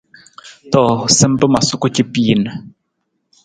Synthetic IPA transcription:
tɔ˦˨sə˦m˦bə˦ma˨su˦ku˦t͡ʃi˦pi˦˨nə˨

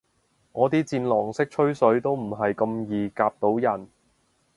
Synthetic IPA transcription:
ŋɔː˨˧t̪iː˥t͡siː˧nlɔː˨˩ŋsɪ˥k̚t͡ʃʰɵ˥ɥsɵ˨˥ɥt̪o˥wm̩˨˩ɦɐ˨jkɐ˧mjiː˨kaː˧p̚t̪o˨˥wjɐ˨˩n

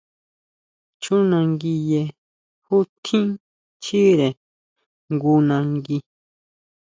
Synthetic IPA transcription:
t͡ʃu˦nã˧ŋɡi˧je˧ | hu˦t̪ʰĩ˦ | t͡ʃi˦ɾe˨ | ŋɡu˧nã˧ŋɡi˧

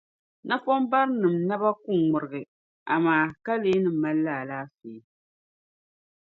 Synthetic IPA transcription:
na˦pɔ˦m˦ba˦ɾnɨ˨mna˦ba˦ku˦ŋŋʊ˨ɾɨ˨ɡɨ˨ | a˨maː˦ka˦leː˦nɨ˨m̩ː˦a˦lːaː˦˨laː˦seː˨˦

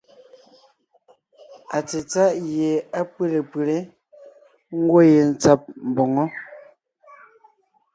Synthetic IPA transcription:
a˨t͡se˨t͡sa˦ʔje˨a˦pwe˦˨le˨pwe˨le˦ | ŋ̩˦ɡwo˦je˨n̩˦t͡sa˦p̚m̩˨bɔ˨ŋɔ˦

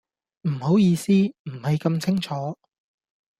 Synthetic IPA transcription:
m̩˨˩ho˨˥wjiː˧siː˥m̩˨˩hɐ˨jkɐ˧mt͡sʰɪ˥ŋt͡ʃʰɔː˨˥

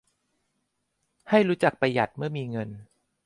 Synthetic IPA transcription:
ha˥˩jɾuː˦˥t͡ɕa˨˩k̚pa˧jːa˨˩t̪̚mɯ˥˩ɐmiː˧ŋɤ˧n

